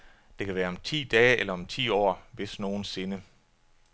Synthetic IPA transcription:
d̥e̝kʰæʋæːɐɒ̽mt͡sʰḭːd̥ɛːelɐɒ̽mt͡sʰḭːɒ̰ːʋe̝sno̝ːn̩se̝nə

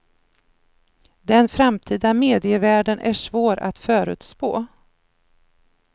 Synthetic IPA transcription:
d̪ɛnfɾamt̪ʰiːd̪ameːd̪ɪəvæːɖənʔæʂvoːɾa̰t̪fœːɾʉ̟ːt̪spo̰ː

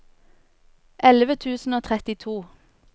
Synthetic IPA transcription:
ʔɛləʋət̪ʰʉːsn̩oːt̪ʰʁɛt̪ɪt̪ʰuː

